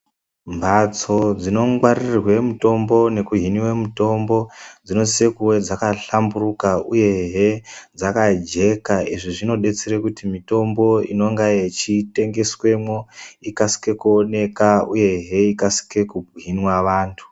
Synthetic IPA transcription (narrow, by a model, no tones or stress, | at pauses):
mbʱat͡so̞d͡zino̞ŋɡwaririrwe̞muto̞mbo̞ne̞kuɦiniwe̞muto̞mbo̞d͡zino̞sekuwe̞d͡zakaɬamburukauje̞ɦed͡zakad͡ʒe̞kaiʐiʐino̞ɗe̞t͡seɾekutimito̞mbo̞ḭno̞ŋɡajet͡ʃite̞ŋɡe̞swe̞mwo̞ikasi̥ke̞kuone̞kauje̞ɦe̞ikasi̥ke̞kuɦinwaʋaːntʰu̥